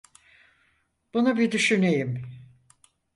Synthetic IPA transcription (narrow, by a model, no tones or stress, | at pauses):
b̥unabid̪yʃynejim